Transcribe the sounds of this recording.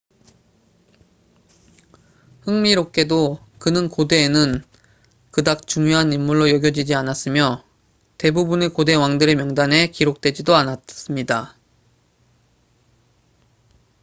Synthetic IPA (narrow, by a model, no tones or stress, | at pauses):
hɯŋmiɾok̚k͈e̞do | kɯnɯnkode̞ːnɯn | kɯdak̚t͡ɕuŋjoɦanimmːuɭːojʌɡjʌd͡ʑid͡ʑianas͈ɯmjʌ | te̞bubune̞kode̞waŋdɯɾemjʌŋdanɦe̞kiɾok̚t͈we̞d͡ʑidoanats͈ɯmɲida